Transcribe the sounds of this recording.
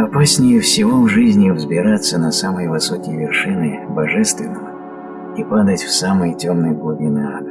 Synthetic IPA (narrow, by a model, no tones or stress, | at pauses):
ɐpasʲnʲɪjəfsʲɪvovʐɨzʲnʲɪvzbʲɪɾat̪sːənɐsaməjəvɨsokʲɪjəvʲɪrʂɨnɨbɐʐɛst̪vʲɪnːəvə | ipad̪ətʲfsaməjətʲomnəjəɡlˠubʲɪna